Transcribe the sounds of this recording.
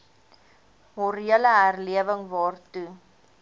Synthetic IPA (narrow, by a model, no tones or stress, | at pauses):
mɔɾiələɦærliəvəŋvɑːrtu